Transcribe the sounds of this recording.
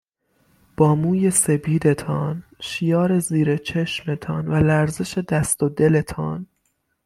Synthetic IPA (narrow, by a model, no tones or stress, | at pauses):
b̥ɒːmuːje̞se̞bʰiːd̪e̞t̪ʰɒːnʃijɒːɾe̞ziːɾe̞t͡ʃʰe̞ʃme̞t̪ʰɒːnvælæɾze̞ʃe̞d̪æst̪od̪e̞le̞t̪ʰɒːn